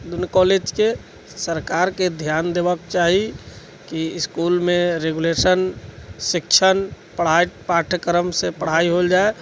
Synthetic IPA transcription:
d̪unkɔled͡ʒke | səɾkaɾked̪ʱjand̪ebəkt͡ʃaɦi | kiskulmẽɾeɡulesənsikt͡ʃʰən | pəɽ̤apaʈʰəkəɾəmsepəɽ̤aiɦold͡ʒae

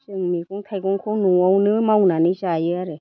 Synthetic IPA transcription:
ʃeŋmikɔt̪ʰajkoŋkʰonuɔunɨmaunaniʃajeaɾe

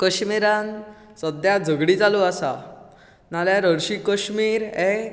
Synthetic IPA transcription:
kəɕmiɾãn | səd̪jad͡zʱəɡɽid͡zaluasa | naljaɾəɽɕikəɕmiːɾɦɛ

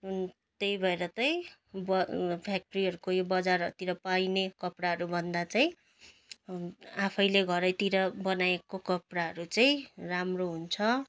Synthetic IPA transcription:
t̪ejbʱʌeɾʌt͡sʌj̃ | bʌpʰjak̚ʈʌɾiɦʌɾukojobʌd͡zaɾʌt̪iɾʌpajnekʌpɽaɦʌɾubʱʌnd̪at͡saj̃ | apʰʌjleɡʱʌɾʌjt̪iɾʌbʌnaekokʌpɽaɦʌɾut͡saĩramroɦunt͡sʰʌ

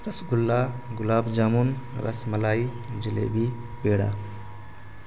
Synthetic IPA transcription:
ɾɐsɡulːaɡulaːbd͡ʒamunɾʔɐ̰smɐlaːi | d͡ʒilḛbi | peːɽa̰

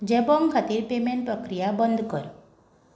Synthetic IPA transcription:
d͡ʒebɔŋkʰat̪iɾpemeɳʈ̚pɾɔkɾijabɔnd̪ʱkɔɾu

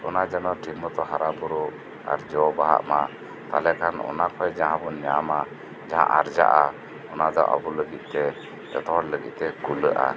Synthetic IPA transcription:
ɔnad͡ʒanɔʈimɔt̪ɔɦaɾabuɾɔ | a̰ɾd͡ʒɔbaɦa̰ʔma | t̪a̰lɛkʰanɔ̰nakʰɔjd͡ʒaɦãbɔɲama | d͡ʒaɦã̰ʔaɾd͡ʒa̰ʔa | ɔnad̪ɔ̰ʔa̰buləɡit̪̚ˀt̪ɛ | ɛ̰t̪ɔɾləɡḭʔ̪̚t̪ɛkulə̰ʔa̰

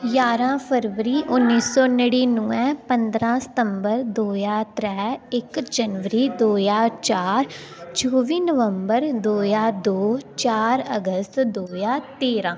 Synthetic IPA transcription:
jaːɾãːpʰəɾʋəɾiːʔʊnːiːsɔːnəɽiːnũːɛ̃ːpənd̪ɾãːsə̥t̪əmbəɾd̪oːjaːt̪ɾɛːɪkd͡ʒənʋəɾiːd̪oːjaːt͡ʃaːɾt͡ʃʰoːʋiːnəʋəmbəɾd̪oːjaːd̪oːt͡ʃaːɾəɡəst̪d̪oːjaːt̪eːɾãː

